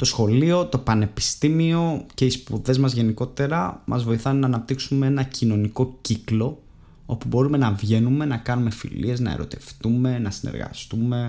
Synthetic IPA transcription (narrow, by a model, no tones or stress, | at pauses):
t̪osxo̞lio̞t̪o̞pɐne̞pi̥st̪imio̞ce̞ispṵðe̞zmɐzʝe̞niko̞t̪e̞ɾɐmʔɐ̰zvo̞iθɐnːɐːnɐp̚t̪iksume̞enɐcino̞niko̞ciklo̞ | opubo̞ɾume̞nɐvʝe̞nume̞nɐkɐnume̞fḭlḭe̞znɐ̰ḛɾo̞̰t̪e̞̰ft̪ume̞nɐsine̞̰ɾɣɐ̰st̪ume̞